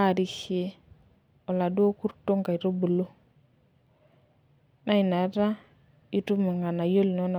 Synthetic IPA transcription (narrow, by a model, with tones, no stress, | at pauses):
a˦˨ɾi˨he˦ | o˨la˨do˦ku˦ɾto˦ŋka˨i˨ɾo˦bu˨lo˦ | na˦i˨na˨˦ta˦ | i˦tu˦mu˨ŋɡa˨na˨jo˦lno˦n˨